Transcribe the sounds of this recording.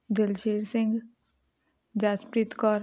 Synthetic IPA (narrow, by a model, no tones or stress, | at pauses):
d̪ɪlʃeːɾsɪ̃ŋɡ | d͡ʒaːspɾit̪kɔːɾ